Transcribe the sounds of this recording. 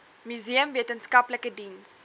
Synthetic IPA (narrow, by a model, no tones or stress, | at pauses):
myziəmviətənskɐpləkədins